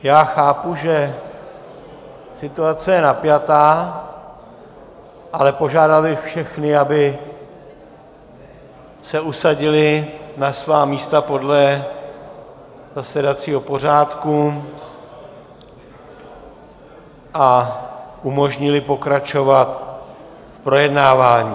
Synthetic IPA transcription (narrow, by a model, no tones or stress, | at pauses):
jaːxaːpuʒɛ | sɪt̪uat͡sɛjɛnapjat̪aː | ʔalɛpo̞ʒaːdalɪfʃɛxnɪabɪ | sɛusaɟɪlɪnasvaːmiːst̪apo̞dlɛ | zasɛdat͡siːɦo̞po̞r̝aːt̪ku | ʔa | ʔumo̞ʒɲɪlɪpo̞kɾat͡ʃo̞vat̪ | fpɾo̞jɛdnaːvaːɲiː